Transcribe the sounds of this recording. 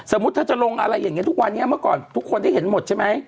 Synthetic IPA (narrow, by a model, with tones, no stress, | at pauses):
sa˨˩˦mu˦˥t̪ʰːaː˥˩t͡ɕa˨˩lo˧ŋʔa̰˧ɾa˧jːaː˨˩ŋː˦˥t̪ʰu˦˥k̚wa˧nːi˦˥ɐ˨mɯ˥˩kɔ̰ː˨˩nt̪ʰu˦˥kʰːo˧nda˥˩jɦe˩˦nmo˨˩t̪̚t͡ɕʰa˥˩ma˦˥j